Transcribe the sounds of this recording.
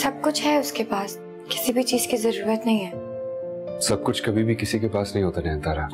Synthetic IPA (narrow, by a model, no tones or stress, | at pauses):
sɐb̚kʊt͡ʃʰɦɛʊskepaːs | kɪ̥sibʱit͡ʃiːz̥kizɐɾuːɾət̪nɐɦĩɦɛː | sɐb̚kʊt͡ʃʰkɐbʱibʱikɪsikepaːsnɐɦĩɦoːt̪anɛ̃ːnt̪aːɾaː